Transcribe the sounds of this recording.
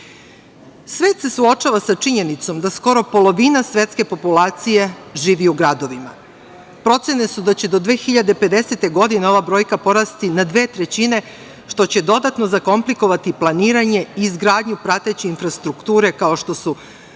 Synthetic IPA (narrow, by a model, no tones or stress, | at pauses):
sʋeːt̪se̞suo̞t͡ʃaʋasat͡ʂiɲe̞nit̪so̞md̪asko̞ɾo̞po̞lo̞ʋiːnasʋe̞t̪ske̞po̞pulaːt̪sije̞ʒiːʋiuɡɾad̪o̞ʋima̰ | pɾo̞t̪sene̞sud̪at͡ɕe̞d̪o̞d̪ʋe̞ːxiʎad̪epe̞d̪e̞se̞t̪e̞ɡo̞d̪ineo̞ʋabɾo̞ːjkapo̞ɾast̪inad̪ʋe̞ːt̪ɾe̞t͡ɕine̞ | ʃt̪o̞t͡ɕe̞d̪o̞d̪at̪no̞zako̞mpliko̞ʋat̪iplˠaniːɾaɲe̞iːzɡɾaːd̪ɲupɾat̪et͡ɕiinfɾast̪ɾukt̪uːɾe̞kao̞ʃt̪o̞su